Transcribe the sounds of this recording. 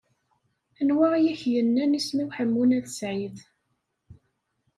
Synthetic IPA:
ænwajæçjənːænismiwħəmːunæðəsʕiθ

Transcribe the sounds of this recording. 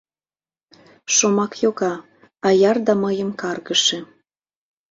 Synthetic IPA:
ʃomɑkjoɣɑ | ɑjɑrd̪ɑməjəmkɑrɣəʃe

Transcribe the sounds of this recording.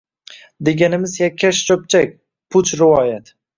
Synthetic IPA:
d̪eɡʲanɪmɪzjakʲʰːaʃt͡ʃʰop̚t͡ʃʰak̚ʲ | pʰʊt͡ʃʰɾɪvɒjat̪

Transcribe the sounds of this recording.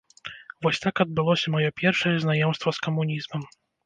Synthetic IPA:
vɔɕʲt̪akɔd̪̚bɨlˠɔɕɛmɔjɔpʲjɛrfʂɛjɛznajɔmst̪fɔskɔmuɲʲizmɛm

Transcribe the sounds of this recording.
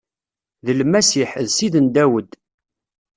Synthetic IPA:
ðəlmæsiħðsiðənd̪æwəd̪

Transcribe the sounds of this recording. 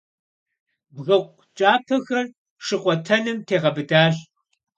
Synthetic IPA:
bɣɐqʷ | t͡ʃʼaːpʰɐxɐr | ʂɨqʷɔtʰɐnɨmtʰeːʁɐbɨdaːɬ

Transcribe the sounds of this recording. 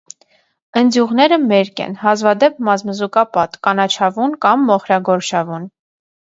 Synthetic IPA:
ənd͡zjuʁnɛɾəmɛɾkɛ̰nhɑzvɑd̪ɛp̚mɑzməzukɑpɑt̪kɑnɑt͡ʃʰɑvunkɑmːɔχɾɑɡɔɾʃɑvun

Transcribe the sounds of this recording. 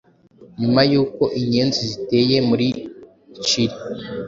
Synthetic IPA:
ɲumajuːko̞ʔiɲeːnzizite̞ːje̞muɾi | t͡ʃiɾi

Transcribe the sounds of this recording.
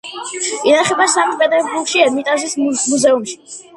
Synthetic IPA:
inaχɛbasamt̪pʼɛd̪ɛɾbukʃiɛmit̪ʼazismuzɛumʃi̥

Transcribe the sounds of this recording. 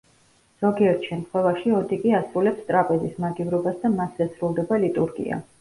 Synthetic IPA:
z̥ɔɡiɛɾt̪ʰʃɛmt̪ʰχwɛvaʃiɔd̪ikʼiasɾulɛpst̪ʼɾapʼɛd̪ismaɡivɾɔbasd̪amasɛsɾulˠd̪ɛbalit̪ʼuɾɡḭa̰

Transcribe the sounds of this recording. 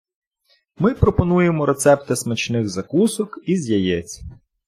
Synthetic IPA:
mɪpɾɔpɔnujemɔɾe̞t̪sɛpt̪ɐsmɐt͡ʃnɪɣzɐkusɔkizʲjɐjɛt͡sʲːɐ̥

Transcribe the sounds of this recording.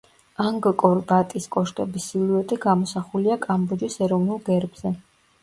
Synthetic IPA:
aŋɡkʼɔɾbat̪ʼiskʼɔʃt̪ʼɔbisiluɛt̪ʼiɡamɔsaχuliakʼambɔd͡ʒisɛɾɔvnulˠɡɛɾbz̥ɛ

